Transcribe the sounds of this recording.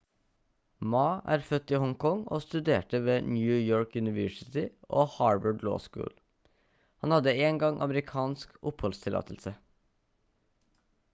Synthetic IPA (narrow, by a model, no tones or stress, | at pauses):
mɑːʔæ̰ːɾfœt̪ːɪhɔŋkʰɔŋoːst̪ʉd̪eːʈəʋeːnjʉːjoːɹkjʉnɪʋœʂɪt̪ɪʔoːhɑːɹbəɖlo̰ːskʉ̰ːl | hɑnhɑd̪ːəeːŋɡɑŋʔɑ̰məɾɪkʰɑːnskʔʊphɔlst̪ʰɪlɑ̰ːt̪ʰəl̩sə